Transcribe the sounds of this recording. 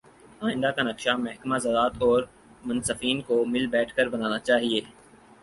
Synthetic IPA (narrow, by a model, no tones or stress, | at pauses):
aːɪ̃nd̪akanɐkʃamɛɦkmazɐd̪aːt̪ɔːɾ | mʊnsəfiːnkomɪlbɛːʈʰkəɾbɐnaːnat͡ʃaːɦieː